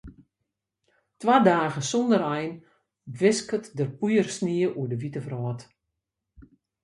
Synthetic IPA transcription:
tʋadaːɣəsɔndərɛjn | ʋɪskətdərpujərsniəʔuədəʋitəfrɔːt

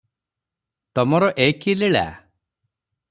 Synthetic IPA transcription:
t̪ɔmɔɾɔʔekileɭa̰

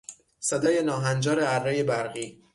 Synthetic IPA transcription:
sed̪ɒːjenɒːɦænd͡ʒɒːɾeæɾːejebæɾɣiː

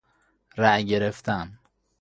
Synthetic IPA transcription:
ɾæɟeɾeft̪ʰæn

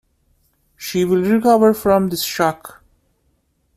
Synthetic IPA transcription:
ʃiʋɪlɾɪkʌʋəɾfɾɔ̃md̪ɪsʃɑk

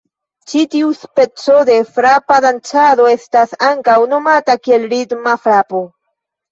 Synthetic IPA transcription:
t͡ʃitiuspe̞t͡so̞de̞fɾapadant͡ʃado̞e̞stasaŋkawno̞matakie̞lɾiɡmafɾapo̞

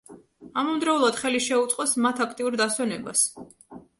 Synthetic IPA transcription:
amɔmd̪ɾaulˠad̪̥χɛliʃɛut̪sʼqʼɔsmat̪ʰakʰt̪ʼiuɾd̪aswɛnɛba̰s

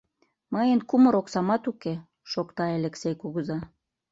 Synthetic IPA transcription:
mɤjənkumə̆ɾoksɑmɑt̪uke | ʃokt̪ɑeleksejkuɣəzɑ

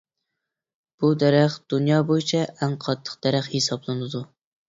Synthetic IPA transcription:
b̥ud̪æɾæχd̪̥unjɑːbojit͡ʃʰɛʔɛŋqʰɑt̪ʰːə̥qd̪̥æɾæχhesɑblˠɨnɨd̪u

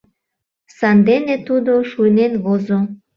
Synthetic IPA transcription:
sɑnd̪enet̪ud̪oʃujnenβozo

